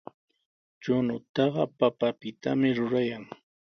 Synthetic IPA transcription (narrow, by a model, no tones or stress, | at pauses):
t͡ʃʊnʊt̪ɑɢɑpapapɪt̪amɪɾʊɾajaŋ